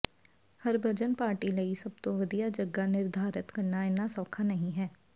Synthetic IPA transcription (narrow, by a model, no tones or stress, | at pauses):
həɾbʱəd͡ʒənpaːɾʈiːləiːsəb̚t̪õːʋəd̪ijaːd͡ʒəɡaːnɪɾd̪ʱaːɾɪt̪kəɾnaːɪnaːsɔːkʰaːnəɦĩɦɛː